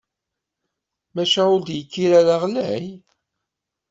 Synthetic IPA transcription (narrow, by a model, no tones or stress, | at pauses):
mæʃæʊɾd̪jəkːiɾæɾaʁlæj